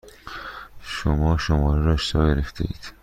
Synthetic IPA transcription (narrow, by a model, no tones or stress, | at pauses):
ʃomɒːʃomɒːɾeɾɒːʃsɒːɡeɾeft̪ʰḛḭːd̪̥